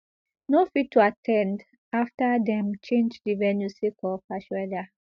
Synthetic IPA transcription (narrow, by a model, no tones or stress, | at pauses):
nofitːuatʰɛ̃nd | aftadɛ̃mt͡ʃẽnd͡ʒdivɛnjusikʰɔfaʃwɛda